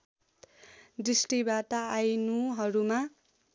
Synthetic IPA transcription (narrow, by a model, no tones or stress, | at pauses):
d̪risʈibat̪aːjnuɦʌɾuma